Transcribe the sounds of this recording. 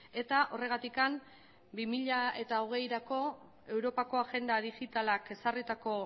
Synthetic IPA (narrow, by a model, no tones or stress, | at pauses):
e̞t̪aʔo̞re̞ɣ̞at̪ikam | bimiʎae̞t̪aoɣ̞e̞jɾako̞ | e̞wɾo̞pako̞aɣe̞nd̪aðiɣit̪alake̞sarit̪ako̞